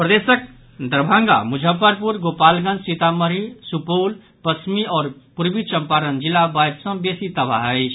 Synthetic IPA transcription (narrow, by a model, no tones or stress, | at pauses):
pɾəd̪esək̚ | d̪əɾbʱãŋɡa̰mud͡ʒʱəpəɾpuɾɡopalɡə̃nd͡ʒsit̪aməɾisupol | pəsmiɔːɾpuɾbit͡ʃəmpaɾənd͡ʒilabajt̪sə̃besit̪əba̰ɦəɪt͡ʃʰ